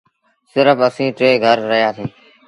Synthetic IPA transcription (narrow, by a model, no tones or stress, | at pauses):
sɪɾəfəsĩːʈɾeːɡʱəɾːəɦijaːsiː